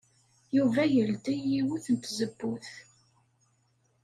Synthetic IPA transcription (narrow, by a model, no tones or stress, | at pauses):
juvæjəld̪ijiwuθənt̪zəbːuθ